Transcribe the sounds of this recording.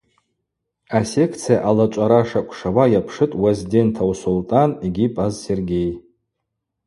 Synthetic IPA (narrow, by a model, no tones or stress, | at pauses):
ase̞kʰt͡sʰijaʔalat͡ʃʷʼaɾaʂakʷʰʼʂawajapʰʂɨtʼwezide̞ntʰawsoltʼaniɡʲipʼazse̞rɡʲe̞j